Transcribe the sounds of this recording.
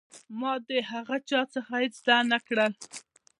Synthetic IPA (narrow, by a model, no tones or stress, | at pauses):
mɑd̪eɦaɣat͡ʃɑt͡səxaet͡sd̪anakɽəl